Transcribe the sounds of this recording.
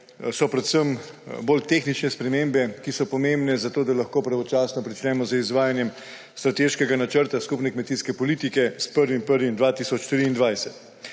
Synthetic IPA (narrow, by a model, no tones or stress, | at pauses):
sɔpɾɛt̪səm | boːlt̪exnit͡ʃnɛspɾɛmembɛkisɔpɔmembnɛzat̪oːd̪alaxkoːpɾaʋɔt͡ʃaːsnɔpɾit͡ʃnɛmɔzəizʋaːjanjɛm | st̪ɾat̪eʃkɛɡanat͡ʃəɾt̪askupnɛkmɛt̪iːskɛpɔliːt̪ikɛspəɾʋimpəɾʋimd̪ʋaːt̪iːsɔt͡ʃt̪ɾiːnd̪ʋajsɛt̪